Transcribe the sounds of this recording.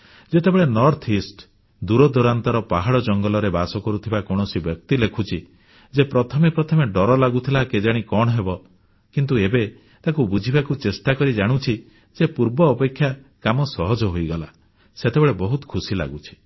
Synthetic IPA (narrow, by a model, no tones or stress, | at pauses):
d͡ʒet̪ebeɭenɔɾt̪ʰisʈ | d̪uɾɔd̪ɔɾant̪ɔɾɔpaɦaɽɔd͡ʒɔŋɡɔlɔɾebasɔkɔɾut̪ʰibakɔɽ̃ɔsibjɔk̚t̪ilekʰut͡ʃʰi | d͡ʒepɾɔt̪ʰɔmepɾɔt̪ʰɔmeɖɔɾɔlaɡut̪ʰilaked͡ʒaɽ̃ikɔɽ̃ɔɦebɔ | kint̪̬uebe | t̪akubud͡ʒʱibakut͡ʃesʈakɔɾid͡ʒaɽ̃ut͡ʃʰi | d͡ʒepuɾbɔːpekʰːjakamɔsɔɦɔd͡ʒɔɦojɡɔla | set̪ebeɭebɔɦut̪ɔ̥kʰusila̰ɡut͡ʃʰi̥